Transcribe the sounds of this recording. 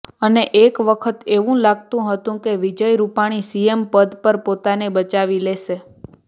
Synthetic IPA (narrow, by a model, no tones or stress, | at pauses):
əneʔekʋəkʰət̪eʋũlaɡt̪ũɦət̪ũkeʋid͡ʒəjɾupaɽ̃isiempəd̪pəɾpot̪anebət͡ʃaʋileʃe